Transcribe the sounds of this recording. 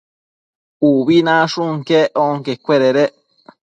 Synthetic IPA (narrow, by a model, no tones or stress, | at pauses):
uβinãʂuŋkeʔoŋkekʷeɾeɾe